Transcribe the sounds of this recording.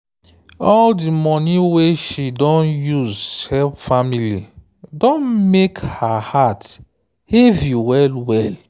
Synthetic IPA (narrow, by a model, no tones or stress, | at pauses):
ɔldimɔ̃niweʃidɔ̃njuzhɛlpfamili | dɔ̃nmekhahat | hevjuwɛlwɛl